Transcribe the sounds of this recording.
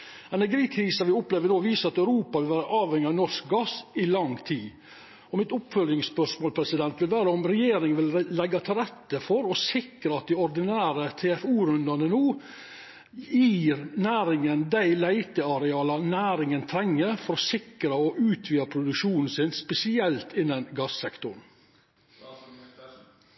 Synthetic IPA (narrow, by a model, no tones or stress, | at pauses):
ɛnæɾɡiːkʰɾiːsɑʋɪʊpleːʋənoːʋiːsəɑt̪æʉɾuːpɑʋɪlʋæːɾəʔɑːʋhɛŋɪɑnɔʂk̚ɡɑsɪlɑŋt̪ʰiː | ɔmɪt̪ʊpfœlɪŋspœʂmoːlpʰɾɛsɪd̪ɛnt̪ʋɪlʋæːɾəɔmɾɛjeːɾɪŋənʋɪlːɛɡːɑt̪ʰɪlɾɛt̪ːəfɔɾɔsɪkɾəɑt̪̚d̪ɪɔɾd̪ɪnæːɾət̪ʰeːɛfuːɾʉnd̪ɑnənuː | jiːɾnæːɾɪŋənd̪æɪlæɪt̪əɑɾɛɑːlɑnæːɾɪŋənt̪ʰɾɛŋːəɾfɔɾɔsɪkɾəɔʔʉːt̪ʰʋiːɑpʰɾʊd̪ʉkʂuːnn̩sɪnspɛsɪɛlt̪ʰɪnːənɡɑsːɛkt̪ʊɳ